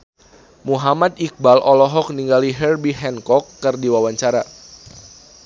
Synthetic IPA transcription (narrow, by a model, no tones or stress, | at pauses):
muɦamat̪ik̚balʔɔlɔɦɔk̚niŋɡaliɦɛrbiɦɛnkɔkːɨrdiwawaɲt͡ʃaɾa